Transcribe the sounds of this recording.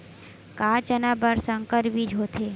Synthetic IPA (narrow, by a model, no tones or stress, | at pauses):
kat͡ʃənabəɾsəŋkəɾbid͡ʒʱot̪ʰe